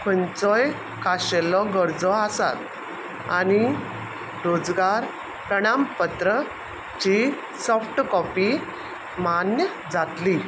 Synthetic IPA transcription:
kʰənt͡sɔj | kaɕelɔɡəɾd͡zɔasa̰t̪̚ | a̰ɽ̃i | ɾod͡zɡaɾ | pɾəɽ̃ampət̪ɾə | t͡ɕi | sɔfʰʈkɔpi | manjə | d͡zat̪li

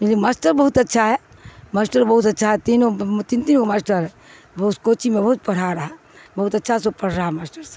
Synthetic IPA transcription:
ilimaːsʈəɾbəɦut̪ətːʃʰaɦɛ | maːsʈəɾbəɦut̪ɐtːʃʰaɦɛt̪inot̪int̪inomasʈəɾɦɛ | bɐɦut̪koːt͡ʃimẽbɐɦut̪̚pəɽ̤aɾəɦa | bɐɦut̪ətːʃʰasopəɽ̤ɾaaɦɛmaːsʈəɾse̥

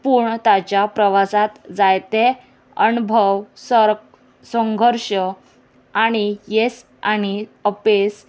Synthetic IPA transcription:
puɳt̪at͡ɕjapɾəʋasãt̪d͡zajt̪e | ənubʱəʋsə | sə̃ŋɡʱəɾʂə | aɽ̃ijes | aɽ̃iəpes

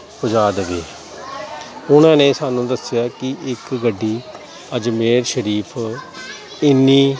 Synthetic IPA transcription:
pʊd͡ʒaːd̪ʋeː | ʊnãːnẽːsaːnũːd̪əsɪjaːkɪɪkɡəɖːiː | əd͡ʒmeːɾʃəɾiːpʰ | ɪnːiː

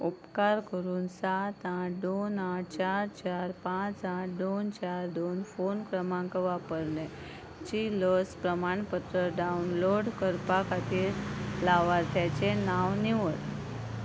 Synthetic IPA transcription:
upkaɾkəɾuːnsat̪ãʈd̪onãʈt͡ɕaɾt͡ɕaɾpãt͡sãʈd̪ont͡ɕaɾd̪onfonkɾəmãŋkəʋapəɾnɛ | t͡ɕiləspɾəmaɳpət̪ɾəɖaunloɽkəɾpakʰat̪iːɾlaʋaɾt̪jat͡ɕenaʋniʋəɽ

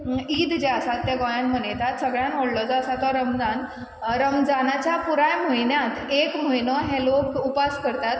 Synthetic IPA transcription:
iːd̪d͡ʑaasat̪ːjaɡɔjanm̤ənet̪at̪səɡɭjãnʋoɽlɔd͡zasat̪ɔɾəmd͡zan | ɾəmd͡zanat͡ɕjapuɾajmoinjat̪ekm̤oinɔɦelokupaskəɾt̪at̪

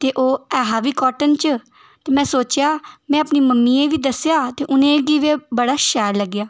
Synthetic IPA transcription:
t̪eːʔoːɛːɦaːʋiːkɔːʈənt͡ʃ | t̪eːmɛ̃ːsoːt͡ʃjaːmɛ̃ːəpniːməmːiːeːʋiːd̪əsjaːt̪eːʔʊnẽːɡiːʋeːbəɽaːʃɛːɾləɡːjaː

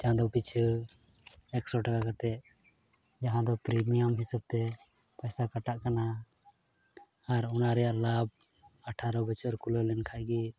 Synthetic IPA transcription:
d͡ʒaɦãd̪ɔpit͡ʃʰ | ɛksɔʈakakat̪ɛʔ | d͡ʒaɦãd̪ɔpɾimijamɦisab̚t̪ɛ | pajsakaʈaʔkana | ɾunaɾɛjaʔɾlab̚ | aʈʰaɾɔbɛt͡ʃɔɾkulolɛnkʰaʔɡi

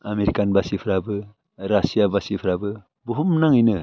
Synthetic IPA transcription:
ameɾikanbasipʰɾabɯ | ɾasijabasipʰɾabɯ | buɦumnaŋijnɯ

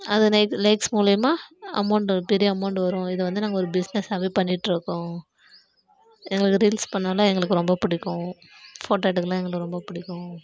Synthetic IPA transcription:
ɐðɯlɐɪklɐɪksmuːlɪjɐmaːɐ̰mɐʊɳʈpɛɾɪjɐɐmɐʊɳʈʋɐɾʊ̃ɪðɯʋɐnd̪ɯnaːŋɡɐɔɾɯbɪsnɛsaːʋeːpɐɳːɪʈːɪɾɯkːʊ̃ | ɛŋɡɐɭɯkːɯɾiːlspɐɳːaːlãːɛŋɡɐɭɯkːɯɾɔmbɐpɪɽɪkːʊ̃ | foːʈɐːʈːɯkːɯlãːɛŋɡɐɭɯkːɯɾɔmbɐpʊɽɪkːʊ̃

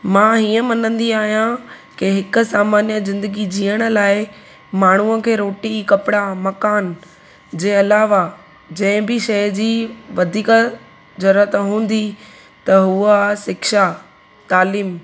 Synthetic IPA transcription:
mãːɦiːə̃mɐnə̃nd̪iaːɦijãkeɦɪkʊ̆saːmaːnjəzɪ̃nd̪əɡid͡ʑiːəɽ̃ə̆laːɪ | maːɳ̤uəkʰeːɾoːʈikɐpɪɽamɐkaːn | d͡ʑeːɐlaːʋa | d͡ʑɐ̃ɦɪ̃bɪʃɐjd͡ʑiːʋɐd̪ʱiːk | d͡ʑɐɾət̪ɦũːn̆d̪i | t̪ɐɦuasɪkʃa | t̪aːliːm

